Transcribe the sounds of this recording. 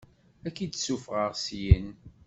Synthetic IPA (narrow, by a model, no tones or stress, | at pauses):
ækid̪sufʁəʁsjən